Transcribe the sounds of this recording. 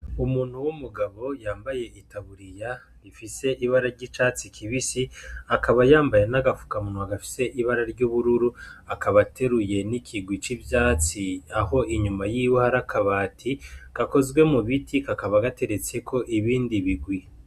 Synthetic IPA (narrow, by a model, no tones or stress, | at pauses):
umuːn̥huwumuɡaβo̞jaːmbaje̞itaβuɾija | ɾifise̞ʔiβaɾaɾɟiːt͡ʃat͡sikʰiβisiakʰaβajaːmbajenaɡafu̥kamunwaɡafi̥se̞ʔiβaɾaɾɟuβuɾuɾuakʰaβatʰe̞ɾuje̞nikʰiɡwit͡ʃibjaːt͡siaho̞ʔiɲumajiːwohaɾakʰaβaːtʰiɡ̥ako̞zɡwe̞muβitʰikakaβaɡate̞ɾe̞t͡se̞kʰo̞ʔiβiːndiβiɡwi